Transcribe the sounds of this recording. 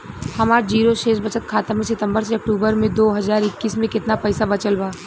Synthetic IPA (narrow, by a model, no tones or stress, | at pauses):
hɐmaːɾd͡ʒiːɾoʃeːʃbɐt͡ʃət̪̚kʰaːt̪əmẽsɪt̪ə̃mbəɾseɐk̚ʈuːbəɾmẽd̪oːɦɐzaːɾɪkːiːsmẽkɪt̪napɛːsabɐt͡ʃəlbaː